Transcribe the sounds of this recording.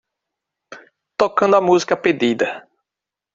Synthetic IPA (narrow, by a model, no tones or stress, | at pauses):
t̪okɐ̃nd̪ʊɐmuzikɐped̪id̪ɐ